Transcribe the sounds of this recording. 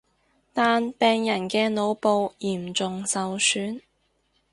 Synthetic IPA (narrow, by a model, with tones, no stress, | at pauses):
t̪aː˨npɛː˨˧ŋjɐ˨˩nkɛː˧no˨˧wpo˨˧wjiː˨˩mt͡sʊ˨ŋsɐ˨wsyː˨˥n